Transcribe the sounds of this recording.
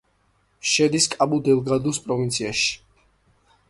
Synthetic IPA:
ʃɛd̪iskʼabud̪ɛlˠɡad̪uspʼɾɔvint̪sʰiaʃi̥

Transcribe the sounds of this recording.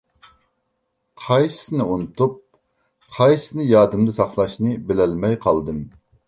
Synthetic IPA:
qʰɑjsɨ̥sɨnɨunɨt̪up̚ | qʰɑjsnɨjɑːd̪ɨmd̪ɨsɑχlˠɑʃnɨbɪlɛlmɛjqʰɑlˠd̪ɨm

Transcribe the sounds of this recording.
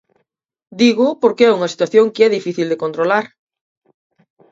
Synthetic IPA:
d̪iɣʊpoɾkeɛuŋɐsi̥t̪waθjoŋkeɛðifiθild̪ekont̪ɾolaɾ

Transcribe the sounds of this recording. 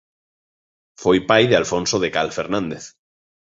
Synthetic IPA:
fojpajðealfõnsoðekalfeɾnãnd̪eθ

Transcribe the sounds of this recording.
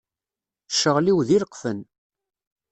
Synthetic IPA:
ʃəʁliwðiləqfən

